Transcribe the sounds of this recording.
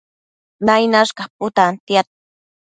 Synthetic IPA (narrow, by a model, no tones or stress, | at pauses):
najnaskapʊt̪ant̪jat̪̚